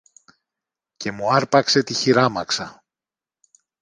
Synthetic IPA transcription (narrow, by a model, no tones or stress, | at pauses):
ce̞muɐɾpɐkse̞t̪içiɾɐmɐksɐ